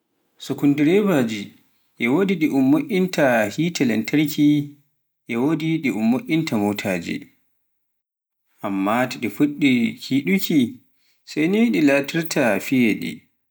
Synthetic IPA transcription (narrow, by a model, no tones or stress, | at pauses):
sukundiɾɛbaːd͡ʒi | ʔɛwodiɗiʔʊmːoʔʲʼːintʰahiːtʰɛlɛntʰɐɾkʲi | jɛwodiɗiʔʊmːoʔʲʼːintʰamoːtʰaːd͡ʒḭ | ʔamːatɛɗifuɗːikʰiːɗukʲi | sajneɗilaːtʰiɾtʰafijeɗḭ